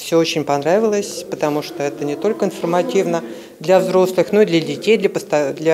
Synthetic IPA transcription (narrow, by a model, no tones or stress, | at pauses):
fsʲoot͡ɕɪnʲpɐnɾavʲɪlˠəsʲpət̪ɐmuʂt̪oɛt̪ənʲɪt̪o̞lʲkəɪnfərmɐtʲivnə | d̪lʲɐvzɾo̞slˠɨxno̞id̪lʲədʲɪtʲejd̪lʲəpəst̪ɐd̪lʲɐ